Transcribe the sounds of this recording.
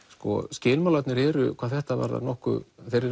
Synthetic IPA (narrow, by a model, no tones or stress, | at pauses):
skɔ̰scɪlmalat̪nɪɾɛːɾʏkʰvaːðθɛht̪ava̰ɾða̰nɔhkʏ̰θejɾɪ